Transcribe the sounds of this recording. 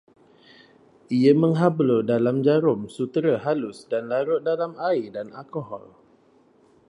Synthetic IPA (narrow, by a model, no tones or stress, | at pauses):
iəmə̃ŋɦablodalamd͡ʒaɾʊmsut̪ɾəɦalʊsdanlaɾʊʔ̚dalamaidana̰lkoɦɔ̰l